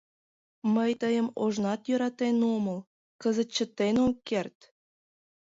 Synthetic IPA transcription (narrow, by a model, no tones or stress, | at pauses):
məjt̪əjə̆moʒnɑt̪jø̆ɾɑt̪enomɤ̆l | kəzə̆t̪̚t͡ɕːə̆t̪ːenoŋkert̪ʲ